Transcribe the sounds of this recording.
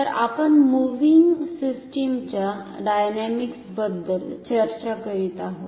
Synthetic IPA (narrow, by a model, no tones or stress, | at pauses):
əɾa̰pəɳmuʋiŋɡsisʈimt͡ɕjaɖajnɛmiksbəd̪ːəlt͡ɕəɾt͡ɕakəɾit̪aɦo